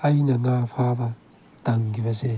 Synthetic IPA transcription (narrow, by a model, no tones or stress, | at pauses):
ainanafaβa | taŋɡiβase